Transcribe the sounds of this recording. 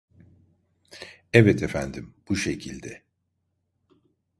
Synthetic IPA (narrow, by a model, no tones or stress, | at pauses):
ɛvɛt̪ʰefænd̪imb̥uʃe̞cʰilʲd̪ɛ